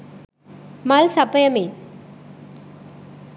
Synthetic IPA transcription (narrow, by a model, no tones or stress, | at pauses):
mɐlsɐpːɐjɐme